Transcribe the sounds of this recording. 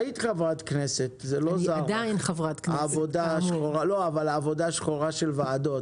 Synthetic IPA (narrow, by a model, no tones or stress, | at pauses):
it̪χavʁat̪kneset̪zelozaʁdainχavʁat̪knaːvodaʃχoʁalo̞avalaːvo̞daʃχoʁaʃelvaːd̪o̞t